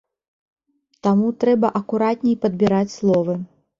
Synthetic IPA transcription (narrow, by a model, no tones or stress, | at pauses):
t̪amut̪ɾɛbɐʔɐkuɾat̪̚ʲnʲɛjpɐd̪̚bʲiɾat͡sʲslˠɔvɨ